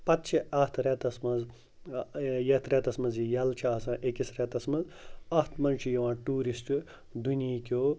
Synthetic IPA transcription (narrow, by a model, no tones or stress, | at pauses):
pɐt̪t͡ʃʰiɐht̪ʰɾɛt̪ɐsmɐz | jɐt̪ʰɾɛt̪ɐsmɐnzijɐlt͡ʃʰiɐsãːʔekisɾɛt̪ɐsmɐz | ɐt̪ʰmɐnt͡ʃʰijɐʋãːʈuːɾisʈu | d̪unikʲoː